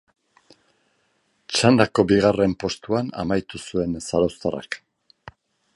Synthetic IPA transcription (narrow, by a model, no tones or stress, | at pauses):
t͡ʃand̪ako̞biɣ̞are̞mpo̞st̪uana̰majt̪usue̞nsaɾawst̪ara̰k